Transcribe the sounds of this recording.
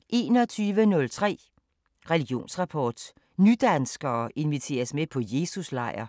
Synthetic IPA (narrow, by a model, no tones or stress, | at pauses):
ʔe̝ːnɒt͡sʰyːʋənɔ̽lt͡sʰʁɛ̰ː | ʁɛliɡ̥jo̝̰ːnsʁɑ̈pʰɒ̰ːd̥ | nyd̥ænsɡ̥ɐːʔe̝nʋit͡sʰe̝̰ːɐsmepʰɒ̽je̝ːsuslɑ̈ɪ̰ɐ